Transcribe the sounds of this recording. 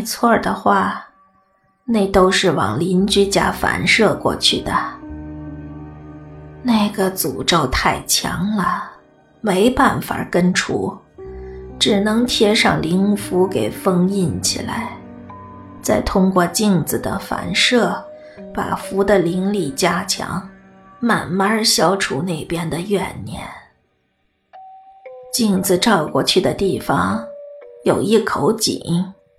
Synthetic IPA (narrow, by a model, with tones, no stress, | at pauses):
t͡sʰwɔ˥˩d̪ə˩xwa˥˩ | ne˥˩ɪt̪o˥ʊʂɻ̩˥˩wɑ̰˨˩ŋli˧˥nt͡ɕy˥t͡ɕja˥fa̰˧˥nʂɤ˥˧kwɔ̰˥˧t͡ɕʰy˥˩d̪ə˩ | na˥˩ɪɡə˩t͡su˨˩ʈ͡ʂo˥˧ʊt̪ʰa˥˩ɪt͡ɕʰjɑ̰˧˥ŋlə˧ | me˧˥ɪpa˥˩nfa̰˨˩kə˥nʈ͡ʂʰṵ˥˩ | ʈ͡ʂɻ̩˨˩nɤ˧˥ŋt̪ʰjɛ˥ʂɑ˥˩ŋli˧˥ŋfu˧˥ke˨˩ɪfɤ˥˧ŋi˥˩nt͡ɕʰḭ˨˩la̰˧˥ɪ | t͡sa˥˩ɪt̪ʰʊ˥ŋkwɔ˥˧t͡ɕi˥˩˧ŋd͡zɹ̩˩d̪ə̰˩fa̰˧˥nʂɤ˥˩ | pa̰˨˩fu˧˥d̪ə˧li˧˥ŋli˥˩t͡ɕja˥t͡ɕʰjɑ̰˧˥ŋ | ma˨˩nma˥ɕjɑ˥ʊʈ͡ʂʰu˧˥ne˥˩ɪpjɛ˥nd̪ə˨jɥɛ˨˩nnjɛ̰˧˥n | t͡ɕi˥˩ŋd͡zɹ̩˧˩ʈ͡ʂɑ˥˧ʊkwɔ˥˧t͡ɕʰy˥˩d̪ə˩t̪i˥˩fɑ˨˩ŋ | jo˨˩ʊi˥˩kʰo˧˥ʊt͡ɕḭ˨˩˦ŋ